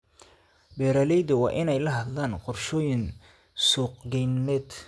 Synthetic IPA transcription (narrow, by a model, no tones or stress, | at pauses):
bɛːɾɐːlɛjd̪ɐwɑ̰ːʔɪnɛjlɐɦɐd̪laːnqɔrʃɔːjɪn | sɔqɡɛjnɛːd̪